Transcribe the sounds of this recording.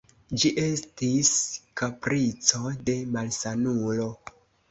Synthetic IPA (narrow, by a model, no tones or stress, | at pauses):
d͡ʒiʔe̞stiskapɾit͡so̞de̞malsanulo̞